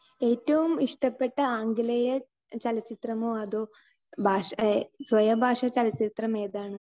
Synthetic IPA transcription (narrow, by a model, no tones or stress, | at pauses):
e̞ːtːɐʋumiʂʈɐpːeʈːɐaːŋɡilɐjɐ | t͡ɕɐlɐt͡ɕːit̪rɐmoːɐðoː | bʱaːʂsʋɐjɐbʱaːʂɐt͡ɕɐlɐt͡ɕːit̪rɐmeːd̪aːɳɨ